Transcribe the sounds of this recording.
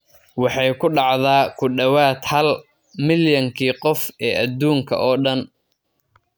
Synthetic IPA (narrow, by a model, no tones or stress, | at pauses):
wɑħɑjkʰʊɖɑʕðaːkʰʊɖɐwaːt̪hɐl | mɪljɐŋkʰiːqɔfɛːʔɐd̪uːŋkʰɐ̰ʔɔːɖɐn